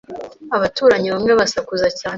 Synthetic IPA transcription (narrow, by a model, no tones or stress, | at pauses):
aβatuːɾaɲiβamŋeβasakuzacaːn